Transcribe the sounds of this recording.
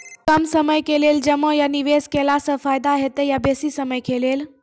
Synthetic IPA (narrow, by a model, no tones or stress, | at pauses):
kəmsəməjkeleld͡ʒəməjaniʋeskelasəfajd̪aɦet̪ejabesisəməjkelel